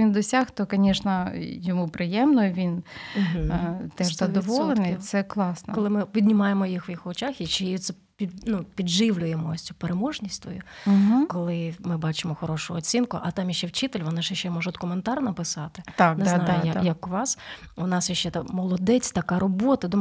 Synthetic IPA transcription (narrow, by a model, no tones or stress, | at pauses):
ʋʲind̪ɔsʲaxt̪ɔkɔnʲɛʃnɐjɔmupɾɪjɛmnʊjʋʲinm̩ɦ̩t̪ɛʒzzɐd̪ɔʋɔlˠenɪj̪sɛklˠɑsnkɔlˠɪmɪpʲid̪ʲnʲimɑjemɔjixʋjixɔt͡ʃɑxit͡ʃejjit̪sɛ | pʲinupʲidʒɪʋlʲʊjemɔsʲt͡sʲupeɾemɔʒnʲisʲt̪ʋɔ̰juɦ̩kɔlˠɪmɪbɑt͡ʃɪmɔxɔɾɔʃʊːt͡sʲinkʊʔɐt̪ɑmjiʃt͡ʃːɛwt͡ʃit̪elʲʋɔnɛʒjʃt͡ʃːɛmɔʒɐd̪ɔkʊment̪ɑrnɐpɪsɑt̪ɪt̪aknɛznɑjʊjajɐkʊʋɑswnɑsjɐʃt͡ʃːɛt̪mɔlˠɔd̪ɛt͡sʲt̪ɐkɑɾɔbɔt̪ɐd̪u